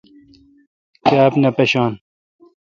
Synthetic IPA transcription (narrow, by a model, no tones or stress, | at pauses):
kaːpnɐpɐɕɑːn